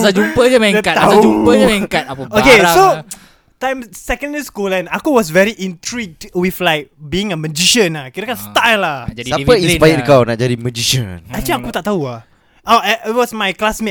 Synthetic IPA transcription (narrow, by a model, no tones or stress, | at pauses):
sad͡ʒumpəd͡ʒəmɛdəkat̪aaad͡ʒumpəəkat̪̚apəokeso | tãjmsɛkə̃ndəiskulɛ̃nakuwɔs̬vɛɹiʔĩntɹik̚dwiflaɪjk̚biɪ̃ŋəməd͡ʒiʃə̃nakiɾəkanst̪ajlaaəisəpajaikawnaʔ̚d͡ʒadiməd͡ʒiʃə̰nat͡ʃaakut̪aʔt̪aua | aɛit̚wɔsmajklasme